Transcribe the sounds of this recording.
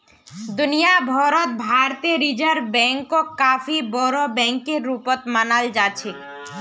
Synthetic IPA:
d̪unijabʱɔɾot̪̚bʱaɾt̪eɾid͡ʑaɾbɛŋkokafibɔɾobɛŋkeɾːupot̪manald͡ʑat͡ɕʰe

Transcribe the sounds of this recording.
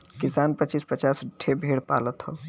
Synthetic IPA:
kɪsaːnpət͡ʃispət͡ʃaːsɖʱʰebʱeɽpa̰lət̪ɦɔ

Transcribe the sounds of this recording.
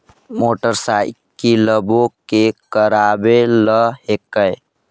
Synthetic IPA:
moʈəɾsaj | kiləbokekəɾabeləɦekəj

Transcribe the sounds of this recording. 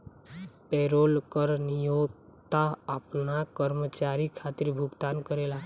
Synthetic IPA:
peɾolkəɾnijoɡt̪aəpnakəɾmət͡ʃaɾikʰat̪iɾbʱuɡt̪ankəɾela

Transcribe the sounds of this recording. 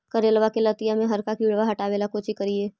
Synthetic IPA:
kɐɾeːlʋakelɐt̪ijamẽɦɐɾkakiːɽʋaɦɐʈaːʋeːlakoːt͡ʃikɐɾieː

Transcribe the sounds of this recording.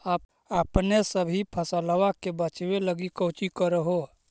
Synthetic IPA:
aːb̚ | apnesəbʱipʰəsələʋakebət͡ʃʋeləɡikət͡ʃikəɾəɦo

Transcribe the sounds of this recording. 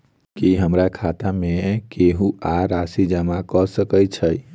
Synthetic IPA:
kiɦəmɾakʰat̪amekeɦũaɾasid͡ʒəmakɔsəkət͡ʃʰəj

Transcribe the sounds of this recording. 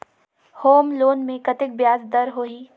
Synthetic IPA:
hoːmloːnmẽkɐt̪ɪk̚bjaːzd̪ɐɾɦoːɦiː

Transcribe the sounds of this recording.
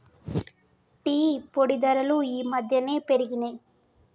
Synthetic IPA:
ʈiːpoɽid̪ɐɾɐluiːmɐd̪ʱjɐne̞ːpeɾiɡinɐ

